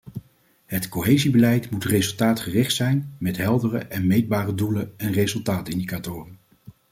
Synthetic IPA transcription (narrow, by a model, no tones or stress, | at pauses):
ɦətkoɦejzibəlɛjtmutrezɵlˠtaːtχərɪχtsɛjnmɛtɦɛlˠdərə̰ʔɛnmejd̚baːrədulənɛnrezɵlˠtaːtɪndikatʊːrən